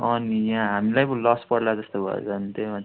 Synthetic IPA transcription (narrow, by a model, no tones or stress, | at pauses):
ʌnijãɦamilajpʌ̃lɔspʌɽlad͡zʌst̪obʱʌ̰j̰t͡sʰʌnt̪oma